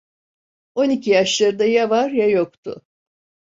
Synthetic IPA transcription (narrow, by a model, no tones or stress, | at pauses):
o̞nicʰijaʃlˠaɾɯd̪ajavaɾjajokt̪ʰʊ̰